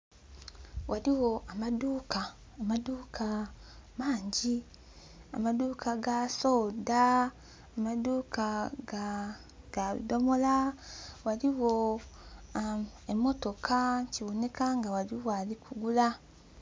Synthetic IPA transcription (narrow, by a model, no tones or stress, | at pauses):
wʔaliwo̞ʔamaduːkaː | maduːkʰamaːɲɟi | a̰maduːkʰaɡaso̞ːdaː | maduːka | ɡ̥aβḭdo̞mo̞lawaliwo̞ | emːo̞to̞kʰaciβo̞ne̞kaŋɡawaliwalikuɡula